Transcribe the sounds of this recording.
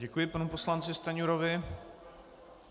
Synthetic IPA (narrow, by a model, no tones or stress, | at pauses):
ɛkujɪpanupo̞slant͡sɪst̪aɲuɾovɪ